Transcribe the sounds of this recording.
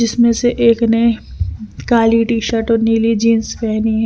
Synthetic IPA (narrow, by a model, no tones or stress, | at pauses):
d͡ʒɪsmẽseʔeːknei | kaːliʈiːʃəɾʈɔɾniːlid͡ʒiːnspɛɦniɦɛ